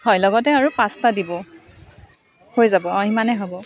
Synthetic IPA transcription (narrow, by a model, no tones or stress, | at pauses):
hɔjlɔɡɔt̬ɛaɹupastadibɔ | hoɹizabɔaɦimanɛɦɔbɔ